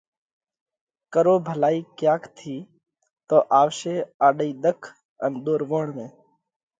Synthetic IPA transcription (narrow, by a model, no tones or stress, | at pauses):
kəɾoːbʱəlaːiːkjaːkʰt̪ʰiː | t̪oːʔaːʋʃeːaːɗəiːd̪əkʰ | ənɗ̪oːɾʋoːɳmẽː